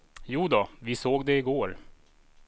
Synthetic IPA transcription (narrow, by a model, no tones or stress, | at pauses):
juːd̪ɔvɪsoːɡd̪ɛɪɡoːɾ